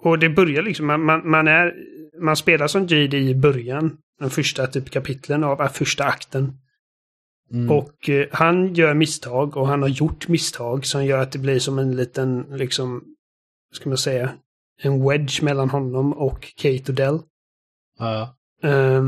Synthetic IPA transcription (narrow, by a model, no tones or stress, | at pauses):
ɔd̪ɛbœɾjaɭɪksɔmːanmanmanæɾmanspeːlaʂɔnt̪iːd̪ɪɪbœɾjan | d̪̥ɛnfœʂʈat̪ʰyːpkʰapʰɪt̪ʰlənavafœʂʈaakt̪ən | ɔkhanjœːɾmɪst̪ʰɑːɡɔɦanhaɾjʊʈːmɪst̪ʰɑːɡsɔmjœːɾat̪̚d̪ɛblɪʂɔmɛnliːt̪ənlɪksɔm | vaskamansɛjːa | ɛnwɛd̪ʃmɛlːanɦɔnːɔmɔkʰːɛɪt̪ʊd̪ɛlː